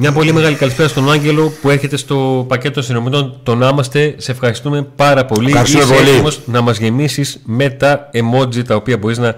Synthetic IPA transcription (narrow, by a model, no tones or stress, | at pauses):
mɲɐpo̞lime̞ɣɐlikɐlispeɾɐst̪o̞nɐɲɟe̞lo̞pue̞ɾçe̞t̪e̞st̪o̞pɐce̞t̪oosino̞mit̪o̞nt̪o̞nɐmɐst̪e̞seːfxɐɾist̪ume̞pɐɾɐpoliɐɾsepolimo̞znɐmɐzʝe̞misizme̞t̪ɐemo̞zit̪ɐopiɐbo̞ɾiznɐ